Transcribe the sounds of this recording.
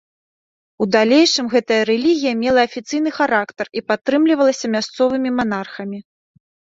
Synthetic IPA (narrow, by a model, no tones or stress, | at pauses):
ud̪alʲejʂɨmɣɛt̪ɐjɐɾɛlʲiɣʲijɐmʲɛlˠɐːfʲit̪sɨjn̪ɨxaɾakt̪ɐripat̪ːɾɨmlʲivɐlˠɐsʲɐmʲast̪sɔvɨmʲimanarxɐmʲi